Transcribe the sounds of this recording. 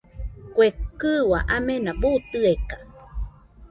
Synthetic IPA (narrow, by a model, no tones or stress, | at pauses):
kʷekɨwaʔamenabut̪ɨeka